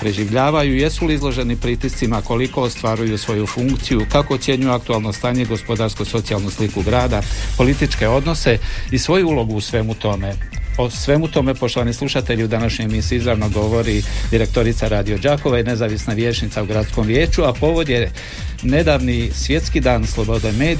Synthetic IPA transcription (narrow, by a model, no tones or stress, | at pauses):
pɾe̞ʒiʋʎaːʋajuje̞suliizlˠo̞ʒe̞nipɾit̪ist̪simako̞liko̞ost̪ʋaɾujusʋo̞jufuŋkt̪sijukako̞t̪sje̞ɲujuak̚t̪ualˠno̞st̪aːɲe̞iɡo̞spo̞d̪aɾskoso̞t̪sialˠnuslikuɡɾaːd̪apo̞lit̪it͡ʃke̞o̞d̪no̞se̞isʋo̞juulˠo̞ɡuːsʋe̞mut̪o̞me̞osʋe̞mut̪o̞me̞po̞ʃt̪o̞ʋanislˠuʃat̪e̞ʎiud̪anaʃɲo̞jmisiizɾaʋnoɡo̞ʋo̞ɾid̪iɾe̞k̚t̪o̞ɾit̪saɾaːd̪io̞d͡ʒaːko̞ʋaine̞zaːʋisnaʋje̞ːt͡ʃnit̪sauɡɾat̪sko̞mʋje̞ːt͡ʃuapo̞ʋo̞d̪je̞ | ne̞d̪aʋnisʋje̞t̪skid̪aːnslˠo̞bo̞d̪emeːd̪